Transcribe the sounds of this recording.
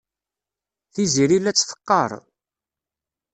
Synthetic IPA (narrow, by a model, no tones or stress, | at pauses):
θiziɾilːæt͡sːfə̥qːəɾˤ